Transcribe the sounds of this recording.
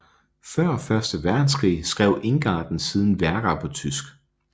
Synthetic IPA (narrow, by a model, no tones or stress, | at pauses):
fɶɐ̰fɶɐsd̥əʋæɐd̥n̩skʰʁḭːsɡ̥ʁɛʊ̰ʔe̝ŋɡ̥ɑ̰̈ːd̥n̩sið̞ˠn̩ʋæɐɡ̥ɑpʰɒ̽t͡sʰysɡ̥